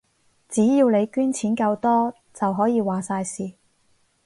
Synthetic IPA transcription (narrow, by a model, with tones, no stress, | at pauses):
t͡siː˨˥jiː˧wle˨˧jkyː˥nt͡sʰiː˨˥nkɐ˧wt̪ɔː˥ | t͡sɐ˨wɦɔː˨˥jiː˨˧waː˨saː˧jsiː˨˩